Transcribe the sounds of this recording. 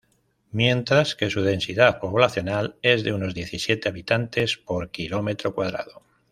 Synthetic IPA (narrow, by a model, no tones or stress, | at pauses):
mje̞nt̪ɾaske̞suð̞e̞nsiðapo̞βlaθjo̞nale̞zðeuno̞zðje̞θisje̞t̪eaβit̪ant̪e̞spo̞ɾkilo̞me̞t̪ɾo̞kwað̞ɾa̰ðo